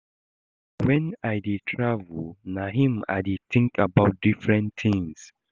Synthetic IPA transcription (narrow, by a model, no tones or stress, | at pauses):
wɛ̃najditʰɹavulnaɦĩma̰jdiθĩŋkʰabaʊt̚difɹɛ̃nθĩŋs